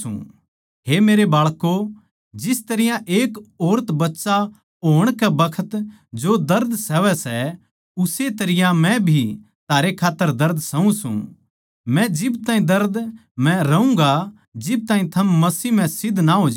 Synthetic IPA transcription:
ṵ̃ | ɦemeːɾebaːɭko | d͡ʒɪst̪ɐɾɪjãʔeːkoːɾət̪bɐtːsa | oːɽ̃kɛbɐkʰət̪ | d͡ʒod̪ɐɾd̪sɛʋɛsɛ | ʊset̪ɐɾɪjãmɛ̃bʱi | t̪aːɾekʰaːt̪ːəɾd̪ɐɾd̪ʱsɐũsṵ̃ | mɛ̃d͡ʒɪbt̪ãːĩd̪ɐɾd̪mɛ̃ɾɐũŋɡa | d͡ʒɪb̚t̪aːĩt̪ʰɐmːɐsiːmɛ̃sɪd̪ʱnaɦoːd͡ʒ

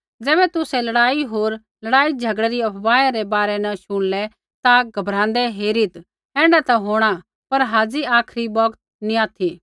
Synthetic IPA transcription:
d͡zɛːbɛt̪ʊsɛlɐɽaːiɦoːɾ | lɐɽaːid͡ʒʱɐɡɽɛɾiɐpʰbaːjaɾɛbaːɾɛnɐʃʊɽ̃lɛ | t̪aɡʱɐbɾãːnd̪ɛɦeːɾit̪ | ɛ̃ːɳɖat̪ɐɦoːɽ̃a | pɐɾɦaːd͡ziaːkʰɾibɔɡt̪̚ | nĩaːt̪ʰi

